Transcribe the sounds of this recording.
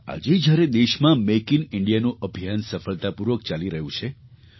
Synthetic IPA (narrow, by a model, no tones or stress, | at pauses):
a̰d͡ʒed͡ʒjaɾed̪eʃmãmekinɪɳɖijanũʔəbʱijansəfəɭt̪apuɾʋək̚t͡ʃaliɾəɦjũt͡ʃʰe